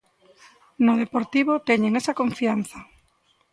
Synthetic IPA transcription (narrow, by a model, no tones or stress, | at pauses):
nʊð̞epoɾt̪iβot̪eɲeŋesɐkõɱfianθɐ